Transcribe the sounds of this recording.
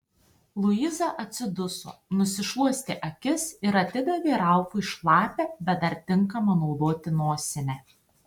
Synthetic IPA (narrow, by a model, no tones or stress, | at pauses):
lˠʊizɐʔɐt̪ʲsʲɪd̪ʊso̰ːnʊsʲɪʃlˠuɔsʲt̪ʲɪʔɐkʲɪsɪɾɐt̪ʲɪd̪ɐʋʲeːɾɑˑʊfʊɪʃlˠɑːpʲɛːbʲɛt̪̚d̪ɐɾt̪ʲɪŋˑkɐmɐnoʊd̪oːt̪ʲɪnoːsʲɛnʲɛ